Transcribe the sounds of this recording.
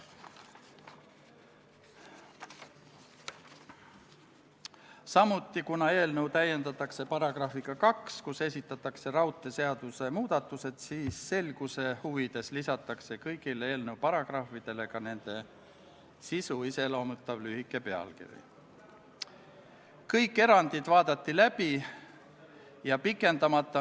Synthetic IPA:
sɑmut̪ˑːikunɑe̞ːlnɤwt̪æjːe̞nd̪ɑt̪ːˑɑkse̞pɑɾɑɡ̥rɑhfiɡ̥ɑkɑkskuse̞s̬ʲit̪ːˑɑt̪ːˑɑkse̞ɾɑwt̪ːˑe̞se̞ɑd̪̥use̞muːd̪̥ɑt̪ːˑuse̞d̪̥siːsːe̞lɡ̥use̞huvid̪̥e̞slisɑt̪ːˑɑkse̞kɤjɡ̥ilee̞ːlnəwpɑɾɑɡ̥rɑfid̪̥e̞le̞kɑne̞nd̪̥e̞ | sisuise̞lo̞ːmut̪ːˑɑvlyhikːˑe̞pe̞ɑ̰lkḭɾḭ | kɤjkˑːe̞ɾɑnd̪̥id̪̥vɑːd̪̥ɑt̪ːilæb̥i | jɑpikːˑe̞nd̪ɑmɑt̪ːˑɑ

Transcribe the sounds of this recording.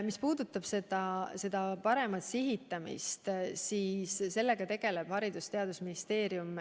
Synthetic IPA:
mispuːd̪̥ut̪ːˑɑb̥se̞d̪ɑse̞d̪̥ɑpɑɾe̞mɑt̪siɦit̪ˑːɑmḭst̪siːsse̞lːe̞ɡ̥ɑt̪e̞ɡ̥e̞le̞b̥hɑɾid̪̥ust̪e̞ɑd̪usminist̪e̞ːɾium

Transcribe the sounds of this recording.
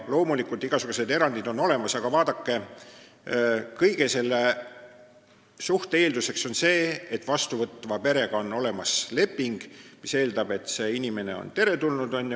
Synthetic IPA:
lo̞ːmulikult̪iɡ̥ɑsuɡ̥use̞d̪e̞ɾɑnd̪̥id̪o̞no̞le̞mɑsɑɡ̥ɑvɑːd̪̥ɑkːe̞ | kɤjɡe̞se̞lːe | suht̪ee̞ːld̪use̞kso̞nse̞ːet̪ːˑvɑst̪uvɤt̪ːˑvɑpe̞ɾe̞ɡ̥ɑonːo̞le̞mɑsle̞pːˑiŋɡ̥mise̞ːld̪ɑb̥e̞t̪se̞inʲime̞ne̞̰o̞̰nt̪e̞ɾe̞t̪ulnud̪o̞nʲː

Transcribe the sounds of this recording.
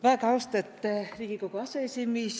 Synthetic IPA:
ʋæːkɑwst̪et̪ːriːɡ̥ikokoɑseesʲimis

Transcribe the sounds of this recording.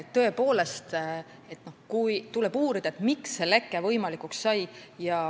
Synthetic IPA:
tt̪ːɤ̞epoːle̞st̪ | e̞t̪no̞hkujt̪ule̞buːɾid̪̥ɑet̪miksːe̞lekːˑe̞vɤjmɑlikˑuksːɑjjɑ

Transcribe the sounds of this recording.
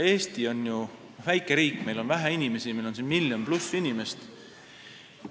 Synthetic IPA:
e̞ːst̪io̞nju | væjkːˑe̞ɾiːkːˑme̞jlo̞nvæɦæinʲime̞simejlo̞nsinmiljomplusːinʲime̞st̪

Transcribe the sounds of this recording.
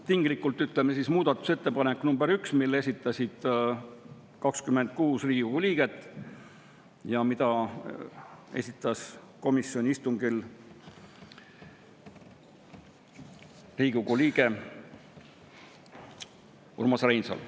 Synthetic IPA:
t̪iŋɡlikːˑult̪ːˑyt̪ˑlemesismuːd̪ɑt̪ːˑu̥se̞t̪ːe̞pɑnekːnumbe̞ɾyksmilːe̞sʲit̪ˑːɑsʲid̪̥ | kɑkskyme̞nd̪̥̚kuːsriːɡuɡ̥uliːɡ̥e̞t̪ːˑ | jɑmid̪ɑ | e̞̰sʲit̪ːˑɑs | ko̞misjonʲiist̪uŋɡil | riːɡ̥uɡuliːɡe̞ | ṵrmɑsrejnsɑ̰l

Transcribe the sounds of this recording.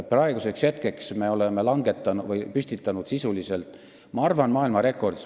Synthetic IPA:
prɑe̞ɡ̥use̞kshe̞t̪̚ke̞ksme̞o̞leme̞lɑŋɡ̥e̞t̪ːˑɑnvɤjpysʲt̪it̪ːˑɑnud̪̥sisulise̞lt̪ˑ | mɑɑrvɑnmɑːilmɑɾe̞kːˑo̞rd̪̥is

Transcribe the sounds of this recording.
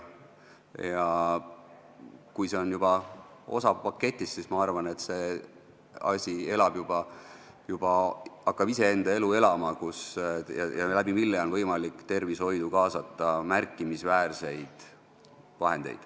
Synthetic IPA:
jɑ | kujse̞o̞njub̥ɑ | o̞̰sɑpɑkːe̞t̪ʲːˑisːismɑɑrvɑne̞t̪se̞ | ɑ̰sʲie̞lɑb̥jub̥ɑ | jub̥ɑɑkːɑb̥ise̞e̞nd̪̥ɑe̞lue̞lɑmɑkusjɑjɑ̰læbimilːeo̞nvɤjmɑlikːt̪e̞rvisho̞jd̪ukɑːsɑt̪ˑːɑmærkːˑimisvæːrse̞jd̪̥ | vɑɦe̞̰nd̪e̞̰jd̪̥

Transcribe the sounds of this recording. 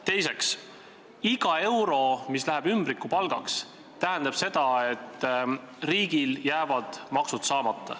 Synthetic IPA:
t̪e̞jse̞ks | iɡ̥ɑe̞wɾo̞mislæɦebymb̥ɾikːupɑlɡ̥ɑks | t̪æɦɛnd̪̥ɑb̥se̞d̪̥ɑe̞t̪ːˑ | riːɡ̥iljæːvɑd̪̥mɑksut̪sɑːmɑt̪ˑːɑ̰

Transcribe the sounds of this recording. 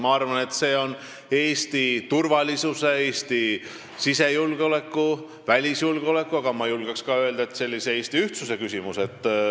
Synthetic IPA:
mɑɑrvɑne̞t̪ːse̞ːo̞n | e̞ːst̪it̪urvɑlʲisuse̞eːst̪i | sise̞julɡ̥o̞le̞kːu | vælʲisjulɡ̥eo̞le̞kːˑuɑɡ̥ɑmɑjulɡ̥ɑkskɑø̞e̞ld̪ɑet̪se̞lʲːise̞e̞ːsʲt̪iyht̪suse̞kysʲimuse̞t̪ˑː

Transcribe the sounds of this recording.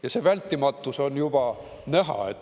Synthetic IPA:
jɑsevælʲt̪ːimɑt̪ˑːuso̞njub̥ɑ | næɦɑ̰et̪ː

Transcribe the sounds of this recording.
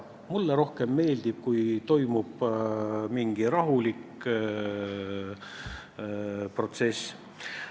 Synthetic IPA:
mulːeɾo̞hke̞mːe̞ːld̪̥ib̥̚kujt̪o̞jmub̥ | miŋɡ̥iɾɑɦulik | pro̞t̪se̞s

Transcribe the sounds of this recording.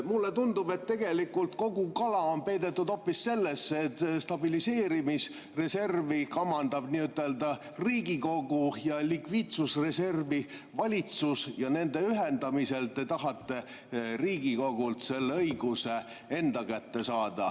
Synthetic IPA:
mulːet̪und̪ube̞t̪ːe̞ɡ̥e̞likːult̪̚ko̞ɡukɑlɑonpe̞jd̪e̞t̪ːud̪o̞pːisse̞lːesːet̪ːst̪ɑbilise̞ːɾimis | re̞se̞rvikɑmːɑnd̪ɑb̥niːyt̪ːˑe̞ld̪ɑ | riːɡiko̞ɡujɑlikviːt̪susre̞se̞rvivɑlʲit̪susjɑne̞nd̪e̞yɦend̪ɑmise̞lt̪e̞t̪ɑɦɑt̪ːe̞ | riːɡ̥iko̞ɡ̥ult̪se̞lːeɤjɡuse̞ | e̞nd̪̥ɑkæt̪ːe̞sɑːd̪̥ɑ̰

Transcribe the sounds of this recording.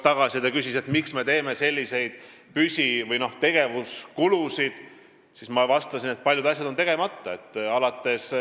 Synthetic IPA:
t̪ɑɡ̥ɑsʲit̪ɑkysise̞t̪miksme̞t̪e̞ːme̞se̞lʲːise̞jd̪̥pysʲivɤjno̞ht̪e̞ɡ̥e̞vuskulusid̪̥ | sismɑvɑst̪ɑsinet̪̚pɑlʲjud̪ɑsʲjɑd̪o̞nt̪e̞ɡ̥e̞mɑt̪ːɑe̞t̪ːˑɑlɑt̪ːˑe̞s

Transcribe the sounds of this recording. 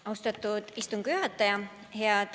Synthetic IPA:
ɑwst̪ɑt̪ːˑud̪̥ist̪uŋɡ̥yɦɑt̪ːˑɑjɑ | heɑd̪̥

